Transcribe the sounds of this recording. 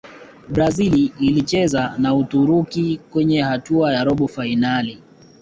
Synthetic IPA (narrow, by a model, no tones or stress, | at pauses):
bɾaziliːlit͡ʃɛzanautuɾukikwɛɲɛhatuajaɾɔɓɔfainali